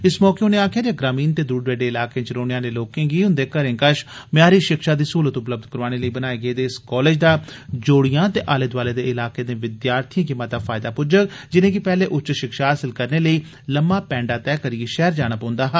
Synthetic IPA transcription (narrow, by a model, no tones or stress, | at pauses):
ɪsmɔːkeʊneːaːkʰjaːd͡ʒaːɡɾaːmiːnt̪eːd̪uːɖɾeːɖeːɪlaːkẽːt͡ʃɾoːnejãːneːloːkẽːɡiːʊ̃nd̪eːkəɾẽːkəʃmɪjaːɾiːʃɪkʃaːd̪iːsuːlət̪ʊpləb̚d̪kəɾʋaːñeːləiːbənaːeːɡəeːd̪eːɪskɔːleːd͡ʒd̪aːd͡ʒoːɽijãːt̪eːʔaːled̪ʋaːleːd̪eːɪlaːkeːd̪ẽːʋɪd̪jaːɾt̪ʰijãːk̬ɪmaːt̪aːfʰaːɪd̪aːpʊd͡ʒəkd͡ʒɪnẽːk̬ɪpɛːleːʔʊt͡ʃʃɪkʃaːɦaːsɪlkəɾneːləiː | ləmːaːpɛ̃ːɳɖaːt̪ɛːkəɾieːʃɛːɾd͡ʒaːɽ̃aːpãːʊ̃nd̪aːɦaː